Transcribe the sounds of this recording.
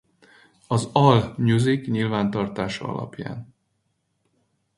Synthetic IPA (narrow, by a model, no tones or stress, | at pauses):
ɒzɒlɲuzikɲilvaːnt̪ɒrt̪aːʃɒɒ̰lʔɒ̰pja̰ːn